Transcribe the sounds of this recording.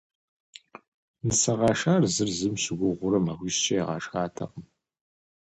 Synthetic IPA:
nɨsɐʁɑːʃaːrzɨrzɨmɕɪɡʷʊʁʷʊɾɐmɐʁʷiːsɕɐjɛʁɑ̰ːʂxaːtʰɐ̰qʼəm

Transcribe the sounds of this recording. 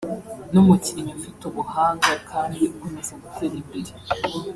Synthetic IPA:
numuciɲoɱfitoβuhaːŋɡakʰaːndiukomezaɡuteɾimbiɾe

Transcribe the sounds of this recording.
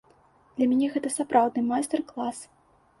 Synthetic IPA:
d̪lʲɐmʲanʲɛɣɛt̪ɐsapɾawd̪nɨmajst̪ɛrklˠas

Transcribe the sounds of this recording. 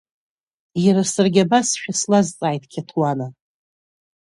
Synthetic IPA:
jaɾasɨrɡʲabasʃᶣaslazt͡sʼaːjtʼkʲʰatʰwana

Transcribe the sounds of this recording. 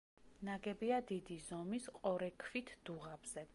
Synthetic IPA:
naɡɛbiad̪id̪izɔmisqʼɔɾɛkʰvit̪ʰd̪̥uʁab̥z̥ɛ

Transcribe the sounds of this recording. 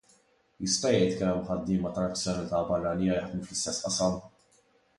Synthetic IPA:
jɪst̪ɐjɛjt̪kɛmħɐd̪ːɪːmɐt̪ɐɾɐt͡ssjɔnɐlɪt̪ɐbɐrːɐniːjɐjɐħd̪muflɪst̪ɛsːʔɐsɐm

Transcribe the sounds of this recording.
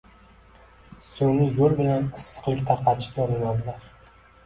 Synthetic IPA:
sonɪjoɾbɪlanɪsːɨ̥qlˠɪkʲt̪ʰaɾqɑt͡ʃʰɪ̥ajɒnanad̪ɪlaɾ

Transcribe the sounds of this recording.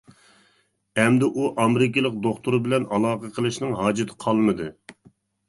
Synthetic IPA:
ɛmd̪ɪʔuʔɑmɾɪkʲɪlˠəq̚d̪oχt̪uɾɨbɪlɛnɑlˠɑːqəqʰəlˠɨʃnɨŋɦɑːd͡ʒɪt̪ʰɪ̥qʰɑlˠmɨd̪ɨ

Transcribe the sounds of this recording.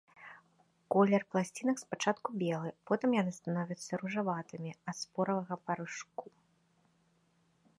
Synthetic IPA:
kɔlʲɛrplˠasʲt͡sʲinɐkspat͡ʂat̪kubʲɛlˠɨpɔt̪ɨmjanɨst̪anɔvʲɐt̪sːɐɾuʐavat̪ɨmʲiɐt̪spɔɾɐvɐɣɐpɐɾɨʂku

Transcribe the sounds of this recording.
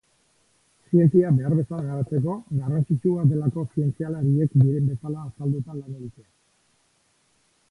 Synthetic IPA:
sie̞nt͡siabe̞aɾβe̞salaɣaɾat͡se̞ko̞ɣarant͡sit͡ʃuad̪e̞lako̞sie̞nt͡sialaɾie̞kd̪iɾe̞mbe̞salaːsald̪ut̪alaneɣit̪ea

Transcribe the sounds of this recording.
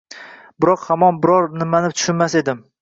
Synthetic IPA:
bɪɾɒqhamɒnbɪɾɒɾnɪmanɪt̪ʰʊ̥ʃʊnmase̞d̪ɪm

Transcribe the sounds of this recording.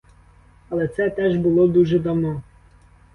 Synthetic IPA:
ɐlˠɛt̪sɛt̪ɛʒbʊlˠɔd̪uʒɛd̪ɐwnɔ

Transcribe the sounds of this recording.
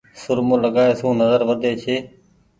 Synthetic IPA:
sʊɾmõːləɠaːeːsũːnəzəɾʋəd̪ʱeːt͡ʃʰeː

